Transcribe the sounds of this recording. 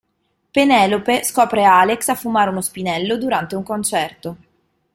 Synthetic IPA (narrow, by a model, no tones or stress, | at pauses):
penɛːlopeskɔːpɾealeksafːumaːɾeunospinɛlːod̪uɾant̪euŋkont͡ʃɛrt̪o